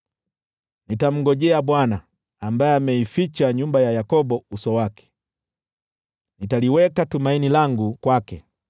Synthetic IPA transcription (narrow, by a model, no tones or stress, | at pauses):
nitam̩ɡɔʄɛaɓwanaː | mbaɛamɛifit͡ʃaɲumbajajakɔbɔusɔwakɛ̥ | nitaliwɛkatumainilaŋɡukwakɛ